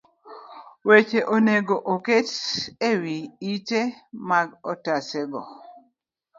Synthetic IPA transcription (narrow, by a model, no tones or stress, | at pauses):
wet͡ʃeʔoneɡoʔoketewiit͡ʃemaɡɔtasɛɡɔ